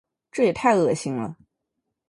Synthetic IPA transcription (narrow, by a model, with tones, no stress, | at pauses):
ʈ͡ʂɤ˥˩jɛ˨˩t̪ʰa˥˧ɪɤ˥˩ɕi˥ŋlə̰˨